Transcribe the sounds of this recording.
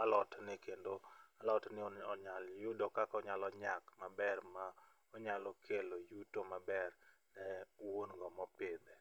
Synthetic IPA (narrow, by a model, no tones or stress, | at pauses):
alɔtnɪkendoalɔtnɪɔɲaljudɔkakɔɲalɔɲakmabɛrma | ɔɲalɔkʰelojutomabɛrnɛwonɡɔmɔpɪd̪ɛ